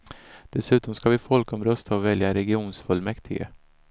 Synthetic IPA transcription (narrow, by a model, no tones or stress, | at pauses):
d̪̥ɛsʉ̟ːt̪ɔmskavɪfɔlkɔmɾœst̪ʰaɔvɛljaɾɛɡɪuːnsfɵlmɛkt̪ʰɪɡə̰